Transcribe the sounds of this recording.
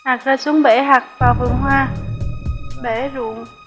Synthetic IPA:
ha˨˩k̚zaː˧su˨˦əŋɓe˧˩ɦaː˨˩k̚vaː˨˩fɨ˨˩əŋɦwaː˧ | ɓe˧˩˦zu˨˩əŋ

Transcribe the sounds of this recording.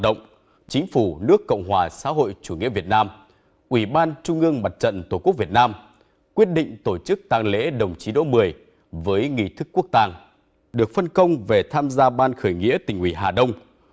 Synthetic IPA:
ɗə̰˧˨wŋ͡m | t͡ɕï˨˦ŋ̟fu˧˩nɨ˦˥əkːə̰˧˨wŋ͡mɦwaː˨˩sa̰ː˧˥ɦo̰˧˨jt͡ɕu˧˩ŋḭ˧˥əvi˨˩ət̚naː˧m | ʔwi˧˩ɓaː˧nt͡ɕʊ˧ŋ͡mʔɨ˧əŋma˨˩t̚t͡ɕə̰˧˨nt̪o˧˩ku˦˥ək̚vi˨˩ət̚naː˧m | kwi˦˥ət̚ɗḭ̈˧˨ŋ̟t̪o˧˩t͡ɕɨ˦˥k̚t̪aː˧˩ŋlḛ˧˥ɗə˨˩wŋ͡mt͡ɕi˨˦ɗo̰˧˥mɨ˨˩əj | vəː˨˦jŋḭ˧˨t̪ʰɨ˦˥kːu˦˥ək̚t̪aː˧˩ŋ | ɗɨ˨˩ək̚fə˧nkə˧wŋ͡mve˨˩t̪ʰaː˧mzaː˧ɓaː˧nxəː˧˩jŋḭ˧˥t̪ï˨˩ŋ̟wḭ˧˩ɦaː˨˩ɗə˧wŋ͡m

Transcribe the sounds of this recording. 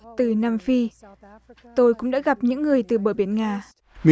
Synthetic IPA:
t̪ɨ˨˩naː˧mfi˧ | t̪o˧jkʊ̰˧˥ŋ͡mɗa̰ː˧˥ɣa˨˩p̚ɲɨ̰˧˥ŋːɨ˨˩əjt̪ɨ˨˩ɓəː˧˩ɓi˨˩˦ənŋaː˧ | mi˧

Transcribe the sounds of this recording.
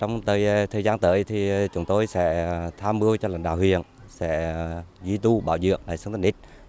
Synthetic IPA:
t͡ɕɔ˧wŋ͡mt̪əː˨˩jt̪ʰəː˨˩jzaː˧nt̪əː˧˦jt̪ʰi˨˩t͡ɕʊ˨˦ŋ͡mt̪o˧jsɛ̰˧˥t̪ʰaː˧mɓɨ˧ət͡ɕɔ˧la̰˨˧˨ŋɗa̰ː˧˨whwḭ˧˨ən | sɛ̰˧˥zi˧˦t̪u˧ɓa̰ː˧˩wzɨ̰˧˩ək̚naː˨˩jsŋt̪ːnʔi˦˥t̚

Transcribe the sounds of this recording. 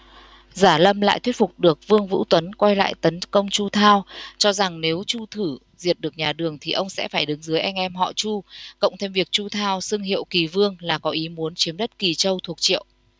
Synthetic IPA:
zaː˧˩lə˧mla̰ː˧˨jt̪ʰwi˦˥t̚fu˨˩k͡p̚ɗɨ˨˩ək̚vɨ˧əŋvṵ˧˥t̪wə˨˦nkwa˧jla̰ː˧˨jt̪ə˨˦nkə˧wŋ͡mt͡ɕu˧t̪ʰaː˧wt͡ɕɔ˧za˨˩ŋne˨˦wt͡ɕu˧t̪ʰɨ˧˩ | zi˨˩ət̚ɗɨ˨˩ək̚ɲaː˨˩ɗɨ˨˩əŋt̪ʰi˨˩ʔə˧wŋ͡msɛ̰˧˥faː˧˩jɗɨ˨˦ŋzɨ˨˦əjʔɛ˧jŋ̟ʔɛ˧mɦɔ̰˧˨t͡ɕu˧kə̰˧˨wŋ͡mt̪ʰe˧mvi˨˩ək̚t͡ɕu˧t̪ʰaː˧wsɨ˧ŋɦḭ˧˨əwki˨˩vɨ˧əŋlaː˨˩kɔ˨˦ʔi˨˦mu˨˦nt͡ɕi˨˦əmɗə˦˥t̚ki˨˩t͡ɕə˧wt̪ʰu˨˩ək̚t͡ɕḭ˧˨əwʔ

